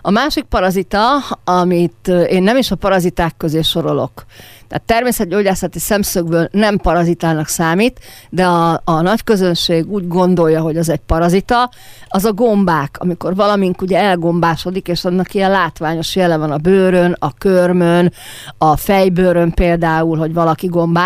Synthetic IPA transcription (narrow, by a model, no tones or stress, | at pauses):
ɒmaːʃik̚pɒɾɒzit̪ɒɒmit̪eːnːɛmiʃɒpɒɾɒzit̪aːkːø̞zeːʃo̞ɾo̞lo̞̰kt̪ɛ̰ːt̪ːɛrmeːsɛt̪̚ɟoːɟaːsɒt̪isɛmsøɡbøːlnɛmpɒɾɒzit̪aːnɒksaːmit̪d̪ɛɒːnɒckø̞zø̞nʃeːɡuːɟɡo̞nd̪o̞jːɒɦo̞ɟɛzɛɟpɒɾɒzit̪ɒ | ɒzɒɡo̞mbaːkʰɒ̰miko̞rvɒlɒmiŋkuɟɛɛlɡo̞mbaːʃo̞d̪ikeːʃɒnːɒkiɛlaːt̪ʋaːɲo̞ʃjɛlɛvɒnɒbøːɾønɒkørmønɒfɛjbøːɾømpeːld̪aːulɦo̞ɟʋɒlɒkiɡo̞mbaː